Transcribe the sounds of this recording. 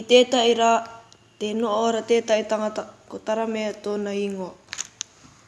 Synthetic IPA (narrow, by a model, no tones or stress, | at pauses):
itetaiɾa | tenoʔoɾatetaitaŋat̪akot̪aɾameat̪oːnaiŋoa